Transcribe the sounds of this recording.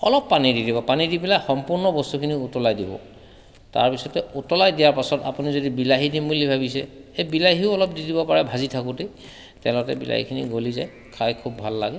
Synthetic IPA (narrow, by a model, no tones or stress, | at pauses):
ɔ̰lɔpːanididibɔpanidibilajxɔmpuɹnɔbɔstukʰiniutɔlajdibɔ̰ | ta̰ɹpisɔtɛutɔlajdijaɹpasɔta̰punizodibilaɦidimulibʱabisɛ̰ebilaɦiʊɔlɔp̚didibɔpaɹɛbʱazitʰakʊte | tɛlɔtɛ̰bḭla̰ɦḭkʰinḭɡoliza̰j | kʰajkʰubːʱalːaɡɛ